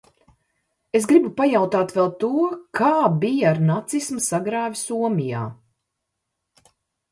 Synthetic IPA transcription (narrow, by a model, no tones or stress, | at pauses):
esɡɾibupajawt̪aːt̪vɛlˠt̪uɔkʰaːbijaːɾnat̪sismɐsaɡɾaːvʲisuɔmija̰ː